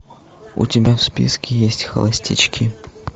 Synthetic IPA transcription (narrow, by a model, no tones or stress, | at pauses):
ʊ̰tʲɪbʲafspʲḭskʲɪjesʲtʲxɐ̰lˠɐsʲtʲɪt͡ɕkʲi